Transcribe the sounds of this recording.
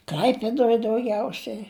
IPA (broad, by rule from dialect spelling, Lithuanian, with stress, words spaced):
ˈklʲɐɪpʲeːdoːj dɐʊˈɡʲɛʊsʲɛɪ